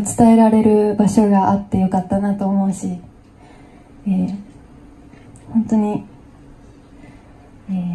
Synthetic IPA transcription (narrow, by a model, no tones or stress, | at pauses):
t͡sɨ̥t̪ae̞ɾaɾe̞ɾɯ̟baɕo̞ɡaʔat̪ːe̞jo̞kat̪ːanat̪o̞ːmo̞ɯ̟ɕi | eː | hõ̞nt̪o̞ɲ̟i | eː